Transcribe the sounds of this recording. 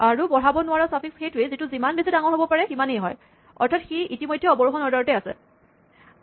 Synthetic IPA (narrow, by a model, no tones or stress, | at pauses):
aɹubɔɹ̤abɔnʊwaɹɔsapʰiksxetʊɹezitʊzimanbezidaŋɔɦobɔpaɹɛximanejɦɔ̰j | ɔ̰ɹtʰatxiʔitimojdʱːjɛɔbɔɹuxɔnɔɹdɔɹɔtɛasɛ̰